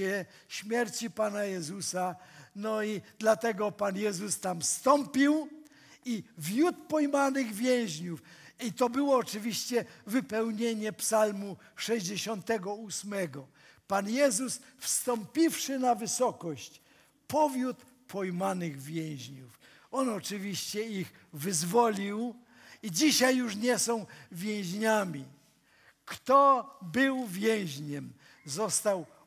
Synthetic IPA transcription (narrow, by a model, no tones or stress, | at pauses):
ɛ | ɕmʲjɛɾt͡ɕipanajɛzusanɔid̪lat̪ɛɡɔpanjɛzust̪amfst̪ɔmpʲiw | ivʲjut̪pɔjmanɪɣvʲjɛ̃w̃ʑɲufit̪ɔbɘwɔːt͡ʂɘvʲiɕt͡ɕɛvɘpɛwɲeɲɛpsalmu | ʂɛʑd͡ʑeɕɔnt̪ɛɡɔusmɛɡɔ | panjɛzusfst̪ɔmpʲifʂɘnavɘsɔkɔɕt͡ɕ | pɔvʲjut̪ | pʰɔjmanɘɣvʲjɛ̃w̃ʑɲuf | ɔnɔt͡ʂɘvʲiɕt͡ɕɛiɣvɘzvɔlʲiw | id͡ʑiɕajːuʂɲɛsɔ̃w̃vʲjɛ̃ʑɲamʲi | kt̪ɔbɘwvʲjɛw̃ʑɲɛm | zɔst̪aw